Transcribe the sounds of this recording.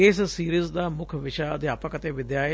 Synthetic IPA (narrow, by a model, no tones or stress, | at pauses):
ɪssiːɾiːzd̪aːmʊkʰʋɪʃaːəd̪eːaːpãːkət̪eːʋɪd̪jaːe